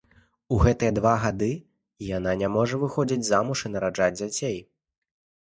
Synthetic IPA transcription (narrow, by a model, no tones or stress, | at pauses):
uɣɛt̪ɨjɐd̪vaɣad̪ɨ | jan̪anʲamɔʐɐvɨxɔd͡zʲid͡zʲzamuʂɨnɐɾaʐad͡zʲd͡zʲat͡sʲej